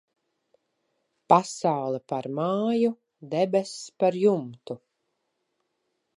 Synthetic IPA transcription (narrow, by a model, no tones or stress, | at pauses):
pasawlˠɛpaɾmaːju | d̪ɛbɛspaɾjumt̪u